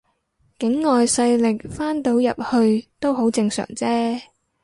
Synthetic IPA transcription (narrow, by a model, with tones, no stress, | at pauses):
kɪ˨˥ŋːɔː˨jsɐ˧jlɪ˨k̚faː˥nt̪o˨˥wjɐ˨p̚hɵ˧ɥt̪o˥wɦo˨˥wt͡sɪ˧ŋsœ̰ː˨˩ŋt͡sɛː˥